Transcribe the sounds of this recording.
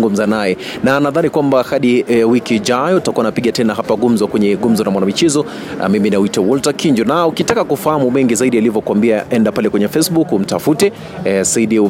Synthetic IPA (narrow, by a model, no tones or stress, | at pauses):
ŋɡum̩zanajɛ | nanaðanikwambahaɗiwikiʄajɔutakuwanapiɡatɛnaɦapaɠum̩zɔkwɛɲɛɠum̩zɔnamwanamit͡ʃɛzɔ̰ | miminaitawɔltakiɲd͡ʒɔnaukitakakufahamumɛŋɡizaiɗialivɔkwambiaʔɛndapalɛkwɛɲɛfɛsbukum̩tafutɛ | saiɗi